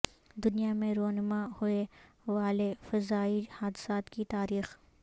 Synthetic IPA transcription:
d̪ʊnijamẽɾoːnmahʊe | ʋaːlefɐzaːihaːd̪saːt̪kit̪aːɾiːx

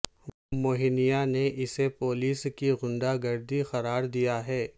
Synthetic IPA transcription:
ʋomoːɦɪnijaneʔɪsepoːliːskiɣʊ̃ɳɖaɡɐɾd̪ixɐɾaːɾd̪ijaɦɛː

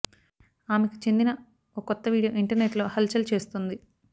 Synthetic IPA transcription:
aːmeki̥t͡ʃend̪inɐ | okɔt̪ːɐʋiːɽijoːʔiɳʈɐɾneʈlo̞ːhɐlt͡ʃɐlt͡ʃe̞ːst̪und̪i

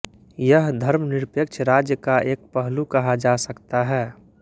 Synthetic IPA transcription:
jəɦd̪ʱəɾmnɪɾpjək̚t͡ʃʰɾaːd͡ʒjəkaʔeːk̚pəɦlukɐɦad͡ʒasəkt̪aɦɛː

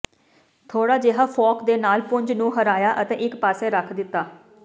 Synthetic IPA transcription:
t̪ʰoːɽaːd͡ʒeːɦaːfʰɔːkd̪eːnaːlpʊɲd͡ʒnũːɦəɾaːjaːʔət̪ẽːʔɪkpaːseːɾəkʰd̪ɪt̪ːaː

